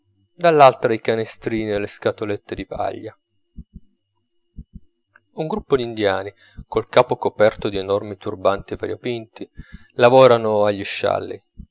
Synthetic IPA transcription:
d̪alːalt̪ɾaikanest̪ɾiːnieleskat̪olet̪ːed̪ipa̰ʎːa | uŋɡɾupːod̪ind̪ja̰ːni | kolkaːpokopɛrt̪od̪ienɔrmit̪urbant̪iva̰ɾjopint̪i | lavɔːɾanoaʎːiʃːa̰lːḭ

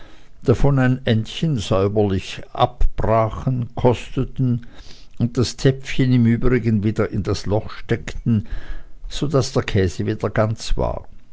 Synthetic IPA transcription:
d̥afɔnaɪnʔɛntçənzœʏbɐlɪçʔa̰pb̥ʁaːχən̩kʰɔstətn̩ʊnt̚d̥astʰɛpfçənɪmyːbʁɪɡənviːdɐʔɪndaslɔχʃtɛktn̩ | z̥odasd̥eːɐkʰɛːzəviːd̥ɐɡant͡sv̥a̰ːɐ

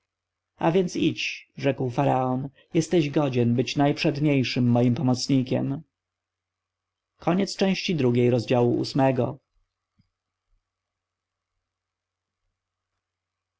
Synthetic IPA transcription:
a̰vʲjɛnt̪sit͡ɕʐɛkwfaɾaɔn | jɛst̪ɛʑɡɔd͡ʑɛnbɘt͡ɕnajpʂɛd̪ɲejʂɘmːɔjimpɔmɔt̪sɲikʲɛ̰m | kʰɔɲɛt̪st͡ʂɛ̃w̃ɕt͡ɕid̪ɾuɡʲejɾɔzd͡ʑawuʔṵsmɛɡɔ

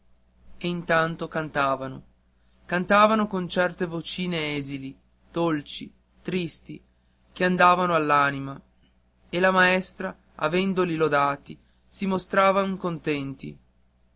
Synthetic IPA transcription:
eint̪ant̪okant̪aːvano̰ | kant̪aːvanokont͡ʃɛrt̪evot͡ʃiːneɛːzili | d̪̥olt͡ʃi | t̪ɾist̪i | keand̪aːvanoalːaːnima | elamaɛst̪ɾa | a̰vɛnd̪olilod̪aːt̪i | simost̪ɾaːvaŋkont̪ɛnt̪ḭ

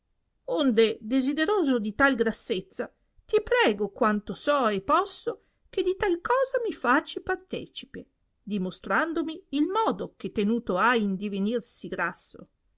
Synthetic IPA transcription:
ond̪ed̪ezid̪eɾoːzod̪it̪alɡɾasːet̪sːa | t̪ipɾɛːɡokwant̪osɔepːɔsːo | k̟ed̪it̪alkɔːzamifaːt͡ʃipart̪ɛ̰ːt͡ʃi̥pe | d̪imost̪ɾand̪omiːlmɔːd̪ok̟et̪ːenuːt̪oajind̪ivenirsiɡɾasːo̰

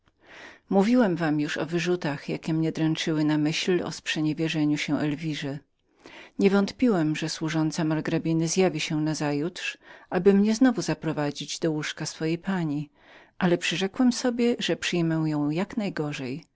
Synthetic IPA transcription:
muvʲiwɛmvamjuʂɔ̰vɘʐut̪axjakʲɛmɲɛd̪ɾɛnt͡ʂɘwɘnamɘɕlɔ̰spʂɛɲevʲjɛʐɛɲuɕɛ̃ʔɛlvʲiʐɛ | ɲɛvɔnt̪pʲiwɛmʐɛswuʐɔnt̪samaɾɡɾabʲinɘzjavʲiɕɛnazajutʂʔabɘmɲɛznɔvuzapɾɔvad͡ʑid͡ʑd̪ɔwuʂkasfɔjejpaɲi | ʔalɛpʂɘʐɛkwɛmsɔbʲjɛʐɛpʂɘjmɛw̃jɔ̃w̃jaknajɡɔʐɛj

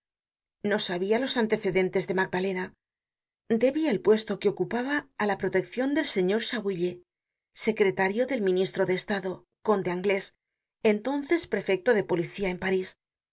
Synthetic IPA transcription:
no̞saβ̞ialo̞sant̪e̞θe̞ðe̞nt̪e̞zðe̞maɡ̚d̪ale̞na | d̪e̞βielpwe̞st̪o̞keo̞kupaβaːlapɾo̞t̪e̞kθjo̞nd̪e̞lse̞ɲo̞ɾsaβiʎe̞ | se̞kɾe̞t̪aɾjo̞ðe̞lmĩnist̪ɾoðe̞ːst̪aðo̞ | ko̞nd̪eaŋɡle̞s | e̞nt̪o̞nθe̞spɾe̞fe̞k̚t̪o̞ðe̞po̞liθiae̞mpaɾis

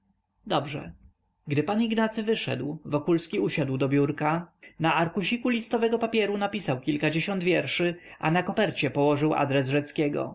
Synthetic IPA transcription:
d̪ɔbʐɛ̰ | ɡd̪ɘpaniɡnat̪sɘvɘʂɛ̰d̪wvɔkulskʲiuɕad̪wd̪ɔbʲjuɾkanaaɾkuɕikulʲist̪ɔvɛɡɔpapʲjɛɾunapʲisawkʲilkad͡ʑeɕɔnd̪vʲjɛɾʂɘ | a̰nakɔpɛɾt͡ɕɛpɔwɔʐɘwʔa̰d̪ɾɛzʐɛt̪skʲɛɡɔ̰

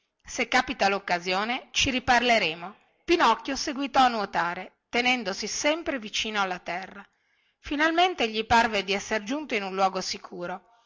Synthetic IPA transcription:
sekːaːpit̪alokːazjoːnet͡ʃiɾiparleɾeːmo | pinɔkːjoseɡwit̪ɔanwot̪aːɾet̪enɛnd̪osisɛmpɾevit͡ʃiːnoalːat̪ɛrːa | finalment̪eʎiparved̪iɛsːeɾd͡ʒunt̪oinunlːwɔːɡosikʰuːɾo

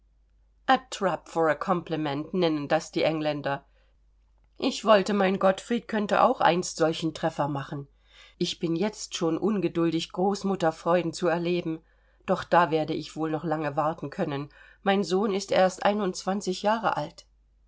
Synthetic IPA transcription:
ʔatʁ̥apfɔəkʰɔmpləmɛntnɛnəndasd̥iːʔɛŋlɛndɐ | ʔɪçv̥ɔltəmaɪnɡɔtfʁ̥iːt̚kʰœntə̰ʔa̰ʊxʔa̰ɪnstz̥ɔlçn̩tʁ̥ɛfɐmaχn̩ | ʔɪçb̥ɪnjɛt͡stʃoːnʔʊnɡədʊldɪçɡ̥ʁoːsmʊtɐfʁ̥ɔʏdn̩t͡suɛɐleːbm̩ | d̥ɔχd̥aːveːɐdəɪçv̥oːlnɔχlaŋəvaɐtn̩kʰœnən | maɪnzoːnɪstʔḛːɐstʔa̰ɪnʊnt͡sv̥ant͡sɪçjaːʁə̰ʔa̰lt

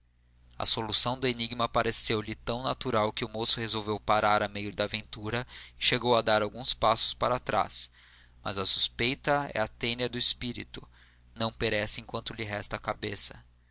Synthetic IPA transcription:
ɐ̰solusɐ̃w̃d̪ʊeniɡmɐpaɾesewlɪt̪ɐ̃w̃nat̪uɾawkɪʊmosʊhezowvewpaɾaɾamejʊd̪ɐavẽnt̪uɾɐɪʃeɡowɐd̪aɾawɡũspasʊ̥spaɾat̪ɾa̰s | mɐ̰zɐsu̥spejt̪ɐɛ̰at̪ẽniɐd̪ʊispiɾḭt̪ʊ | nɐ̃w̃peɾɛsɪẽŋkwɐ̃nt̪ʊlɪɦɛst̪ɐːkabesɐ

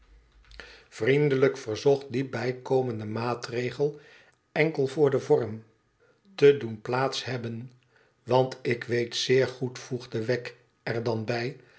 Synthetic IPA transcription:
v̥rindələkfəɹzɔχt̚dibɛjkowməndəmaːtrejχəlˠ | ɛŋkəlˠvʊːɹdəvɔɹm | tədunplaːtshɦɛbən | ʋɑntɪkʋejtsɪːɹχutfuχdəʋɛk | ɛɹdɑnbɛj

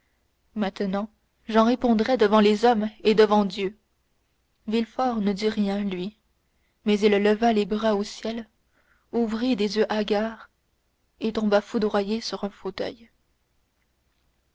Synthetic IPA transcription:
mɛ̃t̪ənɑ̃ | ʒɑ̃ʁepɔ̃d̪ʁɛd̪əvɑ̃lezɔmed̪əvɑ̃d̪jø | vilfɔʁnəd̪iʁjɛ̃lɥi | mɛzilːəvalebʁaosjɛl | uvʁid̪ezjøʔaɡʲaːʁ | et̪ɔ̃bafud̪ʁwajesyʁɛ̃fot̪œ̰j

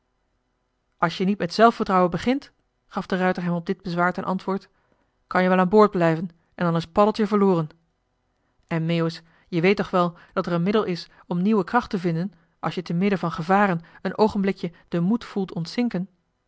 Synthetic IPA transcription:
ʔɑlˠʃjənitmɛtsɛlˠfəɹtrɑwənbəχɪnt | χɑvdərœɥtəɹɦɛmɔb̚dɪd̚bəzʋaːɹtɛnʔɑ̰ntʋʊːɹt | kɑnjəʋɛlˠaːnbʊːɹd̚blɛjvən | ʔɛndɑnɪspɑdəlˠtjəvəɹlʊːrən | ʔɛnmeos | jəʋejtɔχʋɛlˠ | d̥ɑtɛɹənmɪdəlˠɪs | ɔmniwəkrɑχtəvɪndən | ʔɑ̰lˠʃjətənmɪdəvɑnχəvaːrənənʔowχənblɪkjəd̥əmutfulˠtɔntsɪŋkən

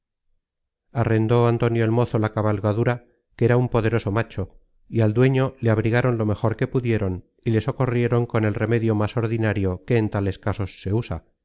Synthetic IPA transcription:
are̞nd̪o̞ant̪o̞njoelmo̞θo̞lakaβalɣaðuɾa | keɾaumpo̞ðe̞ɾo̞so̞mat͡ʃo̞ | iald̪we̞ɲo̞leaβ̞ɾiɣaɾo̞nlo̞me̞xo̞ɾke̞puðje̞ɾo̞n | ile̞so̞korje̞ɾo̞ŋko̞ne̞lre̞me̞ðjo̞maso̞ɾðinaɾjo̞ke̞ːnt̪ale̞skaso̞sːe̞usa

